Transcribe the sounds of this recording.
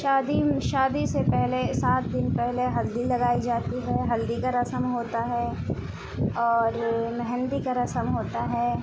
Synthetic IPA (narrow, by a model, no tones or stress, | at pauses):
ʃaːd̪iʃaːd̪isepɛɦlesaːt̪̚d̪ɪnpɛɦleɦɐld̪ilɐɡaːid͡ʒaːt̪iɦɛɦɐld̪ikaɾɐsəmɦoːt̪aɦɛ | ɔːɾmɛɦɛnd̪ikaɾɐsəmɦoːt̪aɦɛː